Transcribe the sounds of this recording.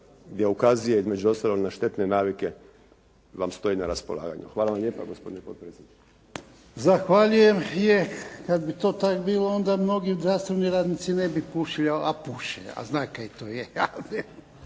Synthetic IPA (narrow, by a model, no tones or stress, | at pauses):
ɡd̪jeukazijeizme̞d͡ʒuost̪aloɡnaʃt̪e̞t̪nenaːʋike | ʋamst̪o̞inaɾaspolˠa̰ːɡa̰ɲṵxʋaːlˠaʋamʎeːpa̰ɡospo̞d̪inepot̪̚pɾeːsʲjed̪nit͡ʃ | zaxʋaʎujemjekad̪bit̪oːt̪akbiːloond̪amno̞ɡiud̪ɾaːst̪oniɾaːd̪nit̪sinebipuʃilaapuːʃḛa̰znaːkajit̪ojeane